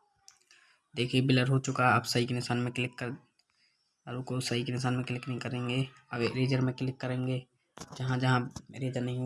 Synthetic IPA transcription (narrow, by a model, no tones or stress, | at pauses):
d̪eːkʰiebɪləɾɦot͡ʃʊkaɐbsɐɦikenɪsaːnmẽkɪlɪkːə | ɾʊkosɐɦikenɪs̬aːnmẽklɪknɐɦĩkɐɾẽːŋɡe | ɐɾeːd͡ʒəɾmẽkɪlɪkːɐɾẽːŋɡe | d͡ʒɐɦãd͡ʒɐɦãɾeːd͡ʒəɾnɐɦĩɦ